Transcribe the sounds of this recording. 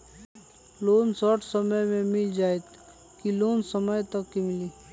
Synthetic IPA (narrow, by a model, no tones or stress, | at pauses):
loːnsɔʈʰsəməjmẽmɪld͡ʒaːet̪ | kiloːnsəməjt̪ɐkːimɪliː